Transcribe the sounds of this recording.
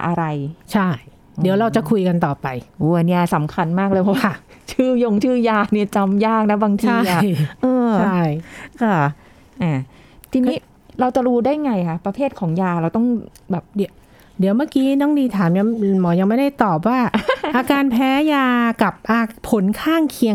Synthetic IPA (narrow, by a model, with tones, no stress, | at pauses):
ʔa̰˧ɾa˧jt͡ɕʰa˥˩j | diː˨˩˦wɾa˧wt͡ɕa˨˩kʰu˧jka˧nt̪ɔː˨˩pa˧jʔuː˨˦˨ni˥˩ɐsa˩˦mkʰa˧nmaː˥˩k̚lɤː˧jpʰɔ˧˩waː˦˥˩t͡ɕʰɯː˥˩jo˧ŋt͡ɕʰɯː˥˩jaː˧ni˥˩ɐt͡ɕa˧mjaː˥˩k̚na˦˥baː˧ŋt̪ʰaː˧˥ʔa˨˩jʔɤː˧t͡ɕʰa˥˩jkɔː˧˩ | ʔaː˧˩ | t̪ʰiː˧n˧˦˥ | ɾa˧wt͡ɕa˨˩ɾuː˦˥daː˥˩jŋa˧jkʰa˦˥pɾa˧pʰeː˥˩t̪̚kʰɔː˩˦ŋjaː˧ɾa˧wt̪ɔ˥˩ŋ | bɛː˨˩p̚di˩˦ | di˨˩˦wmaː˥˩kiː˦˥nɔː˥˩ŋniː˧t̪ʰaː˩˦mja˧˥mɔː˩˦ja˧ŋma˥˩jda˥˩jt̪ɔː˨˩p̚waː˥˩ʔaː˧kaː˧npʰɛː˦˥jaː˧ka˨˩p̚ʔaː˧pʰːo˨˩˦nkʰaː˥˩ŋkʰi˧əŋ